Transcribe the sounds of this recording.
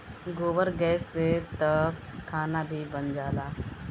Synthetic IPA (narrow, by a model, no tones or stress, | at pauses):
ɡoːbəɾɡɛset̪ɐkʰːaːnabʱibənd͡ʒaːlaː